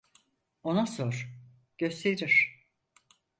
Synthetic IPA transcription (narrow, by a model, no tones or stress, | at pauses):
onasoɾ̥ | ɟ̥ø̞st̪ʰeɾiɾ̥